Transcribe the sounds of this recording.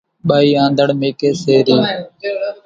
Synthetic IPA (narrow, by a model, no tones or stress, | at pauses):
ɓaːiːãːnd̪əɽmeːkeːseːɾiː